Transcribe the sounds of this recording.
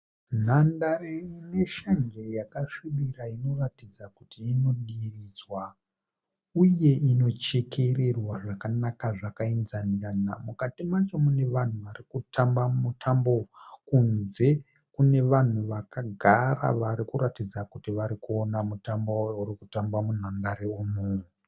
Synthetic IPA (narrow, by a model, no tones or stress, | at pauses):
n̤andareine̞ʃaŋɡejakaʂiʋiraino̞ratid͡zakutiːno̞ɗirid͡zwa | uje̞ino̞t͡ʃekʰe̞re̞rwaʐakanakaʐakainzanirana̰mukatimat͡ʃo̞mune̞ʋan̤uʋaɾikutʰambamutʰambo̞kunze̞ | kune̞ʋan̤uʋakaɡʱara̰ʋaɾikuratid͡zakutiʋaɾikuo̞namutambojourikutambamun̤andaɾeumuu